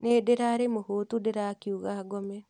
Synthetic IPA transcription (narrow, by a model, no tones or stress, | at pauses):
nedeɾaɾemohotudeɾakiuɣaɡɔmɛ